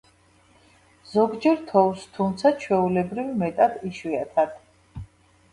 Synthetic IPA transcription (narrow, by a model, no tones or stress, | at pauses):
z̥ɔɡd͡ʒɛɾt̪ʰɔwst̪ʰumt̪sʰat͡ʃʰwɛulɛbɾivmɛt̪ʼad̪iʃwiat̪ʰad̪̥